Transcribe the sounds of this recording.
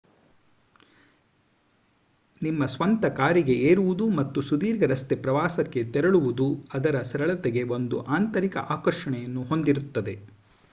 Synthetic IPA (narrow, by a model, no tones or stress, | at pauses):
nimːɐsʋɐnt̪ɐkaːɾiɡe̞eːɾuʋud̪umɐt̪ːusud̪iːɾɡɐɾɐst̪e̞pɾɐʋaːsɐkːet̪ɛɾɐɭuʋud̪uɐd̪ɐɾɐsɐɾɐɭɐt̪eɡe̞ʋo̞nd̪uʔaːnt̪ɐɾikɐ̰ʔaːkɐɾʂɐɳɛjɐnːuɦo̞nd̪iɾut̪ːɐd̪e̞